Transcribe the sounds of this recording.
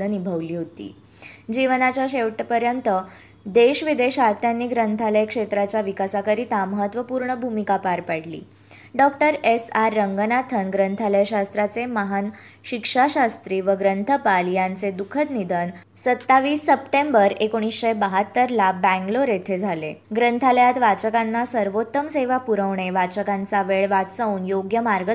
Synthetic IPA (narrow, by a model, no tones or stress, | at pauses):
ənibʱəʋliːɦot̪ḭː | d͡ʑiʋnat͡ɕjaɕeʋʈpəɾjənt̪ə | d̪eɕʋid̪eɕaɾt̪ʰjanːiːɡɾənt̪ʰaləjkʂet̪ɾat͡ɕjaʋikasakəɾit̪ãməɦət̪ʋəpuːɾɳəbʱumikapaɾpəɽlḭː | ɖɔk̚ʈəɾesaɾːəŋɡənat̪ʰənɡɾənt̪ʰaləjɕast̪ɾat͡seməɦan | ɕikʂaɕast̪ɾiːʋəɡɾənt̪ʰəpaljãnt͡sed̪ukʰət̪nid̪ʱən | sət̪ːaʋiːsːəpʈẽmbəɾekoɽ̃isɕebəɦət̪ːəɾlabɛ̃ŋɡloɾet̪ʰed͡zʱalḛɡɾənt̪ʰaljat̪ʋat͡ɕəkanːasəɾʋot̪ːəmseʋapuɾəʋɳeʋat͡ɕəkãnt͡saʋeɭʋat̪sauːnjoɡjəmaɾɡə